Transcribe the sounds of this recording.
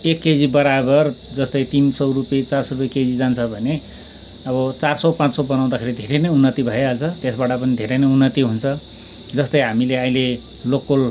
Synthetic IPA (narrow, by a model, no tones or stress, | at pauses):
ekːed͡zibʌɾabʌrd͡zʌst̪ʌjt̪insʌwrupet͡sarsʌrupjeked͡zid͡zant͡sʰʌbʱʌne | ʌbʌt͡sarsʌwpãt͡ssʌbʌnaw̃d̪akʰeɾid̪ʱeɾenʌjunːʌt̪ibʱʌjealt͡sʰʌt̪esbaʈʌpʌnid̪ʱeɾenʌunːʌt̪iɦunt͡sʰʌ | d͡zʌst̪ʌjɦamileaĩle | lokol